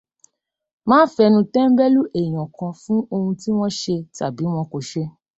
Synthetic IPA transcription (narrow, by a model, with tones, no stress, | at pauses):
mãː˦fɛ˧nũ˧tɛ̃˦m̩˦bɛ˦lu˦ʔẽ˨ɔ̃˨kã˧fũ˦o˧hũ˧ti˦w̃ɔ̃˦ʃe˧ta˨bi˨˦w̃ɔ̃˧ko˨ʃe˧